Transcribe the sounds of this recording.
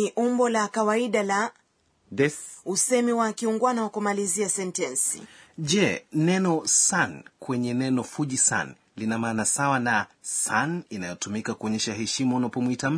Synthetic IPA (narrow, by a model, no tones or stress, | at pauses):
iʔumbɔlakawaiɗala | dɛusɛmiwakiuŋɡuanaɔkumaliziasɛntɛnsḭʄɛnɛnɔsankwɛɲɛnɛnɔfuʄisa̰n | linamaːnasawanasaninajɔtumikakuɔɲɛʃahɛʃimaunapɔmwitam̩